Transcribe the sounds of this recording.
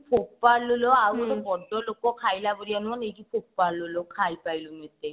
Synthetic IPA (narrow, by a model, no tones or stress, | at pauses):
pʰoppaɾloloawɾɔbɔɖɔlokɔkʰajlaboɾianuɔnejɡipʰoppaɾlolokʰajpajlomet̪e